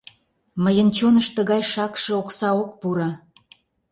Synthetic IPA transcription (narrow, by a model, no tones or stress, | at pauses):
məjənt͡ɕonəʃt̪ə̆ɣɑjʃɑkʃĕoksɑok̚puɾɑ